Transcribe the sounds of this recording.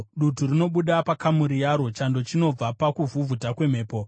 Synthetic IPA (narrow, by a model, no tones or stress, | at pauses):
ɗuturino̞ɓuɗapakamuɾijaɾo̞t͡ʃando̞t͡ʃino̞b͡vapakuvuvʱutakwe̞m̤eːpo̞